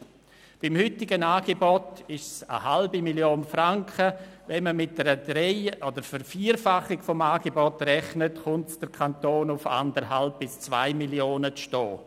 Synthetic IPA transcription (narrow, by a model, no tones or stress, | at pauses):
b̥ɪmhʏtɪɡənaːɡ̥ebɔtɪʃsə̰halbimiljoːnfɾaŋkχəvɛnməmɪt̚d̥əɾəd̥ɾɛɪɔdəɾfəɾfiːɾfaχɪɡfɔmaːɡebɔtrɛχnətχʊntsd̥əɾkʰantoːnʊfa̰ndəɾɦalp̚b̥ɪst͡sva̰ɪmiljoːnət͡sʃtɔː